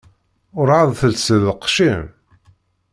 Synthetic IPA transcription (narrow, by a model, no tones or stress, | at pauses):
ʊɾʕəðˤθəlsəðəqːʃim